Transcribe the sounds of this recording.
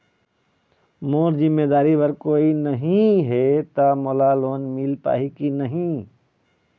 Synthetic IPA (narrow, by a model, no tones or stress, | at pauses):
moːɾzɪmːeːd̪aːɾiʋəɾkoːinəɦĩɦet̪amoːlaloːnmɪlpa̰ːɦikinɐɦĩ